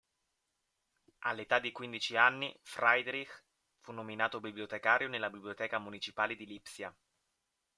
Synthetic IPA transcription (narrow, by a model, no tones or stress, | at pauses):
ʔa̰lːet̪ad̪ːikwind̪it͡ʃianːifɾajd̪ɾix | funːominaːt̪obibliot̪ekaːɾjonelːabibliot̪ɛːkamunit͡ʃipaːled̪ilipsja